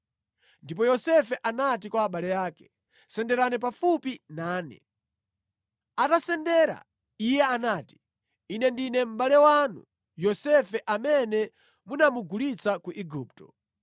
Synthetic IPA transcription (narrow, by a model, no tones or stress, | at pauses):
ndip̬ɔjɔsɛfɛʔanatikwaːɓalɛjaːkɛ̥ | sɛndɛɾanɛp̬afupinaːnɛ̰ | atasɛndɛɾa̰ | ijɛanaːti̥ | inɛndinɛm̩ɓalɛwanṵ | jɔsɛfɛʔamɛnɛ | munamuɡulit͡sakuʔiɡuːptɔ